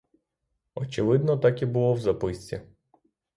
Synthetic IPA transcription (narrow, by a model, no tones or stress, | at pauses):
ɔt͡ʃɪʋɪd̪nɔt̪ɑkʲibʊlˠɔwzɐpɪsʲt͡sʲḭ